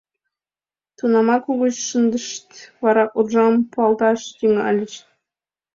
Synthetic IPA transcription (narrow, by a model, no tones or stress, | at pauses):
t̪unɑmɑkuʁɤ̆ɕʂɤnd̪ɤ̆ʂt̪ʲʋɑɾɑqurʐɑmpuɑlˠd̪ɑʂjiŋɑ̰lʲɘ̆ɕʲ